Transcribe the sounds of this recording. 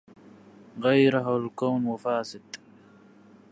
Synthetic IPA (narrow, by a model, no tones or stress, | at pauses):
ɣajɾaɦawalkawnwafaːsɪd̪